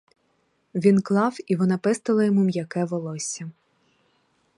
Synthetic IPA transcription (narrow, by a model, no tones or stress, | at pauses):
ʋʲinklˠɑwiʋɔnɑpɪst̪ɪlˠɐjɔmumjɐkɛʋɔlˠɔsʲɐ